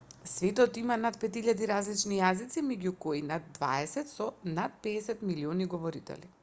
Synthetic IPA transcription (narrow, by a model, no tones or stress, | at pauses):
svɛt̪ɔt̪imanat̪̚pɛt̪iʎad̪iɾazlit͡ʃnijazit̪simɛɟukoinad̪̚ːva̰ɛsɛt̪sɔnat̪̚pɛːsɛt̪milioniɡɔvɔɾit̪ɛ̰li